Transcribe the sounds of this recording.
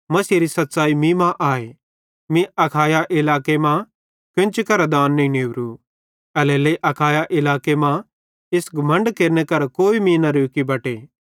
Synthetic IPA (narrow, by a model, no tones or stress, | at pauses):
mɐsiːɾisɐt̪ːsaːimĩmãʔaːe | mĩɐkʰaːjaʔɪlaːkemã | kɪ̃nt͡ʃikɐɾad̪aːnːɐĩneːʋɾu | ɐlɛːleiʔɐkʰaːjaʔɪlaːkemã | ɪsɡɐmə̃ɳɖkeːɾnekɐɾkoːimĩnɐɾoːkibɐʈeː